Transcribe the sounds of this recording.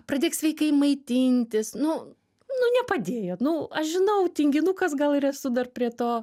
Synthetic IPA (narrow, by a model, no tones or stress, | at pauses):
prɐdʲeːksʲʋʲɛɪkɐɪmɐɪt̪ʲɪnʲt̪ʲɪsnʊ | nʊnʲɛpɐd̪ʲeːjoːnʊɐʃʒʲɪnɐʊt̪ʲɪŋʲɡʲɪnukɐsɡɐlˠɪrɛsʊd̪ɐrpʲɾʲiɛt̪oː